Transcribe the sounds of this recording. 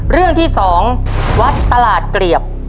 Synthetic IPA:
ɾɯ˥˩əŋt̪ʰiː˥˩sɔː˩˦ŋwa˦˥t̪ːa˧laː˨˩t̪̚kɾi˨˩əp̚

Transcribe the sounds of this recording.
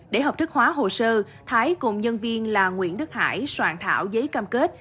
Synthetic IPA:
ɗe˧˩ɦə˨˩p̚t̪ɨ˦˥k̚hwaː˨˦ɦo˨˩səː˧ | t̪ʰaː˨˦jkʊ˨˩ŋ͡mɲə˧nvi˧ənlaː˨˩ŋwḭ˧˨ənɗɨ˦˥k̚ha̰ː˧˩jswaː˧˩ŋt̪ʰa̰ː˧˩˨wzəː˨˦jkaː˧mke˦˥t̚

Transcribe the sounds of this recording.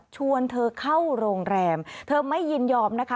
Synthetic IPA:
t͡ɕʰu˧ənt̪ʰɤː˧kʰa˥˩wɾoː˧ŋɾɛː˧mt̪ʰɤː˧ma˥˩jːi˧njɔː˧mna˦˥kʰa˦˥

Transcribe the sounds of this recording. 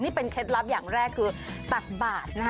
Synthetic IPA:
niː˥˩pe˧nkʰe˦˥t̪̬̚la˦˥p̚jaː˨˩ŋɾɛː˥˩kʰːɯː˧t̪a˨˩k̪̚baː˨˩t̪̚na˦˥k

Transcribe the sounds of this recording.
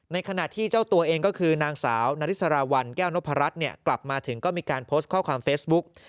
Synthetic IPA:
na˧jkʰa˧na˨˩t̪ʰːiː˥˩t͡ɕaː˥˩wt̪u˧ɐʔeː˧ŋkɔː˥˩kʰɯː˧naː˧ŋsa̰ː˩˦wnaː˦˥ɾi˦˥sa˧ɾaː˧wa˧nkɛː˥˩wno˦˥pʰːa˧ɾa˦˥t̪̚ni˥˩ɐkla˨˩p̚maː˧t̪ʰɯ˩˦ŋkɔː˥˩miː˧kaː˧npʰoː˦˥st̪̚kʰɔː˥˩kʰwaː˧mfeː˦˥sbu˦˥k̚

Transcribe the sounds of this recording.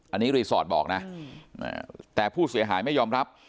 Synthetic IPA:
ʔa˧nːiː˦˥ɾiː˧sɔː˨˩t̪̚bɔ̰ː˨˩k̚na˦˥a̰ː˧˩t̪ɛː˨˩pʰuː˥˩si˨˩˦ɐɦaː˩˦jma˥˩jɔː˧mɾa˦˥p̚

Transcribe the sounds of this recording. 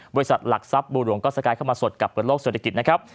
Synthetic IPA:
bɔ˧ɾi˦sa˨˩la̰˨˩k̚sa˦˥p̚buː˧ɾu˩əŋkɔː˥˩sa˧kaː˧kʰa˥˩wma˧so˨˩t̪̚ka˨˩p̚ʰːɯː˨˩˦nloː˥˩kse˨˩t̪ʰa˧ki˨˩na˦˥kʰa˦˥p̚

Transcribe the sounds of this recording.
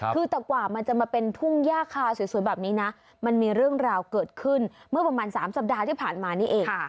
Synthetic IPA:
kʰɯː˧t̪ɛː˨˩kwaː˨˩ma˧nt͡ɕa˨˩maː˧pe˧nt̪ʰu˥˩ŋjaː˥˩kʰaː˧˩si˨˦su˨˩˦nbaː˨˩p̚niː˦˥na˦˥ʔ | ma˧nmiː˧ɾɯ˥˩əŋɾaː˧wkɤː˨˩t̪̚kʰɯ˥˩nmɯ˥˩ɐpɾa˧maː˧nsaː˩˦msa˨˩p̚daː˧t̪ʰiː˥˩pʰaː˨˩nmaː˧niː˥˩ʔeː˧ŋ˥˩

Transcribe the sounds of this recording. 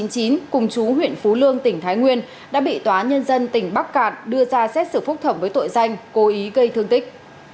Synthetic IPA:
i˨˦nt͡ɕi˨˦nkʊ˨˩ŋ͡mt͡ɕu˨˦ɦwḭ˧˨ənfu˨˦lɨ˧əŋt̪ï˧˩ŋ̟t̪ʰaː˨˦jŋwi˧ən | ɗa̰ː˧˥ɓḭ˧˨t̪waː˨˦ɲə˧nzə˧nt̪ï˧˩ŋ̟ɓa˦˥k̚kaː˧˩nɗɨ˧əzaː˧sɛ˦˥t̚sɨ˧˩fʊ˦˥k͡p̚t̪ʰə˧˩mvəː˨˦jt̪o̰˧˨jza˧jŋ̟ko˨˦ʔi˨˦ɣə˧jt̪ʰɨ˧əŋt̪ï˦˥k̟̚

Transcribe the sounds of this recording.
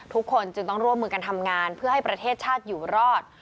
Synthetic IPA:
t̪ʰu˦˥kʰːo˧nt͡ɕɯ˧ŋt̪ɔ˥˩ŋɾu˥˩əmːɯː˧ka˧nt̪ʰa˧mŋaː˧npʰɯ˥˩ɐɦa˥˩jpɾa˧t̪ʰeː˥˩t̪̚t͡ɕʰaː˥˩t̪̚juː˨˩ɾɔː˥˩t̪̚

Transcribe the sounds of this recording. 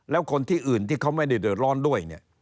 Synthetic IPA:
lɛː˦˥wkʰo˧nt̪ʰiː˥˩ʔɯː˨˩nt̪iː˥˩kʰa˦˥wma˥˩jda˥˩jdɤː˨˩t̪̚lɔː˥˩ndu˥˩əjni˥˩ɐ

